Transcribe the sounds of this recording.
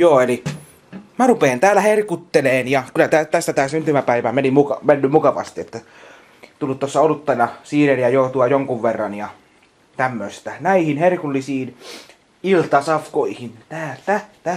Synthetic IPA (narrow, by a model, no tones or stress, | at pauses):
joːeli | mærupeːnt̪æːlːˑæherkut̪ːeleːnjɑkylæt̪æt̪æst̪æt̪æːsynt̪ymæpæiʋæmenimmukɑmenːymmukɑʋɑ̰st̪iet̪ːæ | t̪ulːut̪tosːɑolut̪ːɑnɑsiːrenjɑjot̪uɑjoŋkuʋʋerːɑnjɑ | t̪æmːøist̪ænæihinherkulːisiːn | ilt̪ɑsɑfkoihint̪æːlt̪æt̪æ